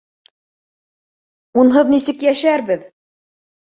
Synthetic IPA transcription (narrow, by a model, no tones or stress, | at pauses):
unɦɤðnisɘkjæʃæɾbɘð